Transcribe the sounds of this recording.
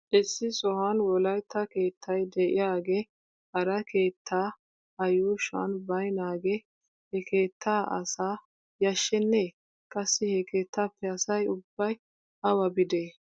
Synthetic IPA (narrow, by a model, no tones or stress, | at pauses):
ʔɪsːɪsɔhɐnwɔlɐjt̪ʰːɐke̞ːt̪ʰːɐjd̪ɛʔɪ̰jaːɡe | hɐɾɐkʰe̞ːt̪ʰːaː | ɐjuːʃɐ̰nbɐjnaːɡe | hɛkʰe̞ːt̪ʰːaːʔɐ̰saː | jɐʃːɛnːeː | kʼɐsːɪhɛke̞ːt̪ʰːaːpːɛɐsɐjʊbːɐj | hɐwɐbɪd̪eː